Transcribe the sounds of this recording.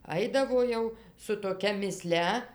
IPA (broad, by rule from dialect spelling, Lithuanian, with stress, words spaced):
ˈɐɪdɐʋoː jɛʊ sʊ toːˈkʲɛ mʲɪˈsʲlʲɛ